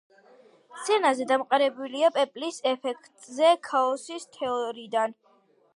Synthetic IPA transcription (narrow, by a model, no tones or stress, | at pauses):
t̪sʰɛnazɛd̪amqʼaɾɛbuliapʼɛpʼlisɛpʰɛkʰt̪ʼzɛkʰaɔsist̪ʰɛɔɾid̪an